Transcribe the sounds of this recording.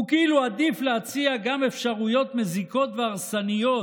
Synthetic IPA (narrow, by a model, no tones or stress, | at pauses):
ukiiluad̪ifleat͡siaɡame̞fʃaʁujo̞t̪meziko̞t̪veaʁsanijo̞